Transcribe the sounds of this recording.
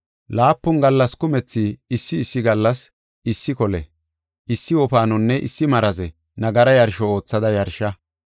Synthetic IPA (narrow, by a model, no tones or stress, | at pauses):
laːpːʊnɡɐlːɐskʊmɛt͡sːiɪsːɪːsːɪɡɐlːɐs | ɪsːɪkɔlɛ̰ | ʔɪsːɪwɔpaːnɔnːɛʔɪ̰sːɪmɐɾɐzɛ | nɐɡɐɾɐjɐɾʃɔo̞ːt͡sːɐd̪ɐjɐɾʃɐ